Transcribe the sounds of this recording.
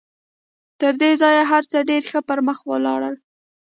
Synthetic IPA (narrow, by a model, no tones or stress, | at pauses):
t̪əɾd̪ezɑjeɦaɾt͡səɖeɾxəpəɾməxwə̰lɑ̰ɽəl